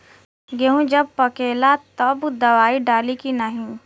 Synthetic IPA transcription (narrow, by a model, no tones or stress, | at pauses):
ɡeɦũd͡ʒɐb̚pɐkeːlat̪ɐbd̪ɐʋaːiɖaːlikinaɦĩ